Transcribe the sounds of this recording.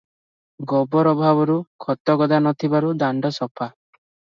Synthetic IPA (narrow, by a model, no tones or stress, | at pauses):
ɡɔbɔɾɔbʱabɔɾukʰɔt̪ːɔɡɔd̪anɔt̪ʰibaɾud̪aɳɖɔsɔpʰa